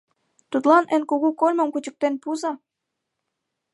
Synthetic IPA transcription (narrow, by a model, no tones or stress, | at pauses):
t̪ut̪lɑnĕnkuɣukolʲmə̆mkut͡ɕə̆k̚t̪enpuzɑ